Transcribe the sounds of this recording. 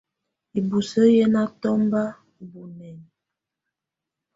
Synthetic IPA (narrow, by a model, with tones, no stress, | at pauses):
i˨bu˨sə˦jə˦na˦tɔ˦mba˦ | bu˨nɛ˨n